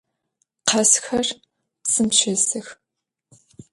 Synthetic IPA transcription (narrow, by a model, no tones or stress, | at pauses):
qʰɐsxɐr | sɨmʃɐsɨx